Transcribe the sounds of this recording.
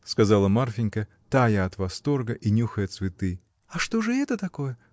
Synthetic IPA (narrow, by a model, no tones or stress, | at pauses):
skɐzalˠəmarfʲɪnʲkə | t̪ajəɐt̪vɐst̪o̞rɡəʔinʲuxəjɐt̪svʲɪt̪ɨ | ɐʂt̪o̞ʐɨɛt̪ət̪ɐko̞jə